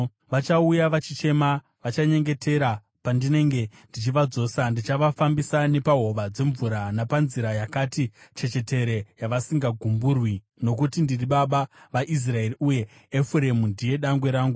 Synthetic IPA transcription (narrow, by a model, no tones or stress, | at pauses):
ʋat͡ʃaujaʋat͡ʃit͡ʃe̞ma | ʋat͡ʃaɲe̞ŋɡe̞tʰe̞ɾa | pandine̞ŋɡe̞ndit͡ʃiʋad͡zo̞ːsandit͡ʃaʋafambisane̞paɦo̞ʋad͡ze̞ɱvuɾanapanziɾajakatit͡ʃe̞t͡ʃe̞te̞ɾe̞jaʋasiŋɡaɡʱumburwi | no̞kutindiriɓaɓaʋaʔis̬rae̞riuje̞ː | fuɾemundije̞ɗaŋɡwe̞ɾaːŋɡu